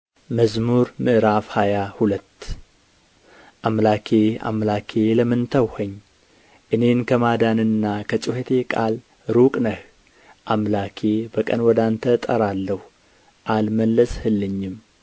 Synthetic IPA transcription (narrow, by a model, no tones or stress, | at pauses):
məzmuɾmɨʔɾafhajahulət̪ː | ʔamlakʰea̰mlakʰe̞ləmɨnt̪ʰəwhəɲː | ʔɨne̞nkʰəmad̪anɨnːakʰət͡ʃʼuhət̪ʰe̞kʼal | ɾukʼnəh | ʔamlakʰebəkʼə̰nwɔd̪ant̪ʰət̪ʼəɾalːəh | ʔalməlːəshɨlːɨɲːɪm